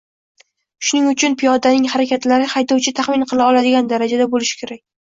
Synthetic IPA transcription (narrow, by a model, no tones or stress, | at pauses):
ʃʊnɪŋʊt͡ʃʰʊnpʰijɒd̪anɪŋhaɾakʲʰat̪laɾɪhajt̪ɒwt͡ʃʰɪt̪ʰaχmɪnqʰɨlˠaɒlad̪ɪɡʲand̪aɾad͡ʒad̪abolɪʃɪ̥kʲʰe̞ɾakʲ